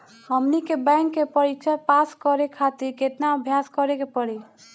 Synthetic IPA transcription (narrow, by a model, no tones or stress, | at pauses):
həmnikebɛ̃ŋkːepəɽit͡ʃʰɛpaskɔɾekʰat̪iɾket̪naəbʱjaskɔɾekepəɽi